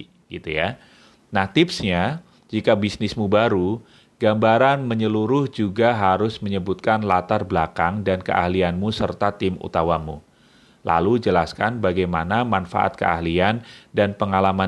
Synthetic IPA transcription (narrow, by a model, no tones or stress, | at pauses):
ɡ̥it̪uja | naht̪ɪpsɲa | d͡ʒikabisnɪsmubaɾu | ɡ̥ambaɾanməɲəluɾʊhd͡ʒuɡaɦaɾʊsməɲəbʊt̪̚kanlat̪arblakaŋdankə̰ʔa̰hlianmusərt̪at̪ɪmṵt̪awamu | la̰lud͡ʒəlaskanbaɡajmanamanfa̰ʔa̰t̪̚kə̰a̰hliandanpəŋalama